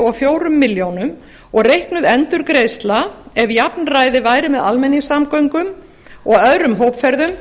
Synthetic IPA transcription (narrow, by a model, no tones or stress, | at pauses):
ɔɣfjoːwɾʏmːɪljownʏm | ɔɣrejhknʏðɛnt̪ʏɾkɾeːjst̪laɛvjap̚nraːjðɪvaːjɾɪmɛða̰lmɛnːisamkœɥŋkʏm | ɔɣœðɾʏmɦowpfɛɾðʏm